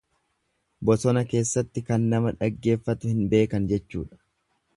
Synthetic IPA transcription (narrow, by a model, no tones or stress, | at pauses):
bɔsɔnɐke̞ːsːɐt̪ːɪkɐnːɐmɐᶑɐɡːe̞ːfːɐt̪ʊhɪnbe̞ːkɐnd͡ʒɛt͡ʃːṵːᶑɐ̥